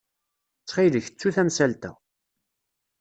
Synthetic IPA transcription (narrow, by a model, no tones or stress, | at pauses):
t͡sːχiləçə̥t͡sːuθæmsælt̪æ̰